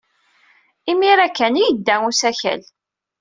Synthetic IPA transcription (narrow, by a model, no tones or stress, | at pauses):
imiɾækːænijəd̪ːæŋusæçæ̰l